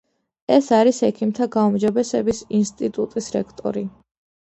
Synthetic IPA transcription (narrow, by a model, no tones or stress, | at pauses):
ɛsaɾisɛkʰimt̪ʰaɡaumd͡ʒɔbɛsɛbisinst̪ʼit̪ʼut̪ʼisɾɛkʰt̪ʼɔ̰ɾi